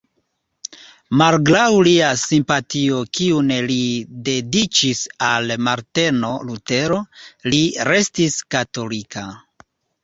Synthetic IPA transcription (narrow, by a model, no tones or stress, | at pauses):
malɡlawliasimpatio̞kiunelide̞dit͡ʃisalmaɾte̞no̞lute̞ɾo̞liɾe̞stiskato̞likʰa